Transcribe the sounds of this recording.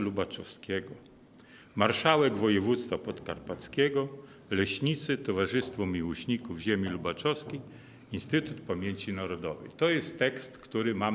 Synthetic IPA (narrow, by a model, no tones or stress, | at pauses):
lubat͡ʂɔfskʲɛɡɔ | maɾʂawɛɡvɔjɛvut̪st̪fapɔt̪ka̰ɾpat̪skʲeɡɔ | lɛɕɲit̪sɘt̪ɔvaʐɘst̪fɔmʲiwɔɕɲikuvʑemʲilubat͡ʂɔfskʲej | inst̪ɘt̪ut̪pamʲjeɲt͡ɕinaɾɔd̪ɔ̰vɛ̰jt̪ɔjɛst̪ːɛkst̪kt̪uɾɘma